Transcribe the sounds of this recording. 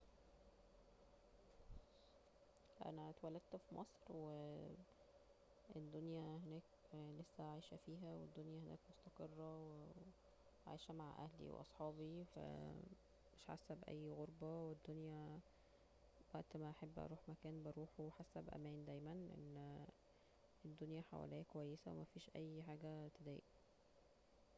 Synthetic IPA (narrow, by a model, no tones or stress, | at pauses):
ʔæ̰næt̪wælːæd̪̥̚t̪fimʔɑsˤɾwe | ed̪ːonjæɦenæːklesːæʕajʃæfiːɦæwed̪ːonjæhenæ̰ːkmost̪ɑqerˤːɑwe | ʕa̰ːʃæmaʕʔæ̰hlḭwḛʔɑ̰sˤħɑːbifæ̰ | meʃħa̰sːæbʔæ̰jːɣoɾˤbɑwed̪ːonjæ | wæʔt̪mæʔɑħebːʔɑ̰ɾˤuːħmækæːnbɑɾuːħuwħasːæbʔæ̰mæːnd̪æjmænʔḛnː | ed̪ːonjæħa̰wæ̰læːkowæjːesæwḛmæfiːʃʔæjːħaːɡæt̪ed̪æ̰ːjʔæ